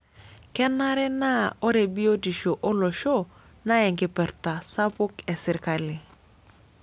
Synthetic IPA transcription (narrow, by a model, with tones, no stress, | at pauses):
kɛ˦na˦ɾɛ˦na˦o˦ɾe˨bi˦o˦di˨ʃo˨ʔo˦lo˨ʃo˦ | na˦jɛ˨ŋki˨pɛ˨ɾta˨sa˦pu˦kɛ˨si˨ɾka˦li˨